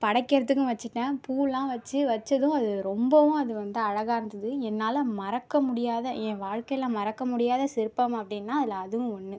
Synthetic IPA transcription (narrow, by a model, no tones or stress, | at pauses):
pɐɽɐkːɪɾɐt̪ːɯkːʊ̃ʋɐt͡ʃːɯʈːãːpuːɭːãːʋɐt͡ʃːɯʋɐt͡ʃːɐðʊ̃ɐðɯɾɔmbɐʋʊ̃ɐðɯʋɐnd̪ɯɐɻɐɣaːɾɯnd̪ɐðɯɛnːaːlɐmɐɾɐkːɐmʊɽɪjaːðɐɛ̃ːʋaːɻkɐjɪlãːmɐɾɐkːɐmʊɽɪjaːðɐsɪɾɯpːɐmɐpːɐɽɪnːaːɐðɪlɐːðɯʋʊ̃ɔnːɯ